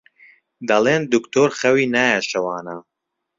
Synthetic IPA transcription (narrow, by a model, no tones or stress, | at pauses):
d̪ɐleːnd̪ukt̪ʰoːɾxɐwiːnaːjɐʃɐwaːna